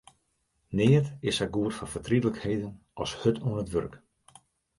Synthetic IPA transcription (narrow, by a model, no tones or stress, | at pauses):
nɪːətɪshɛɡuətfɔnfətridələkhejdən | ʔɔshøtʰuənətʋø̰rk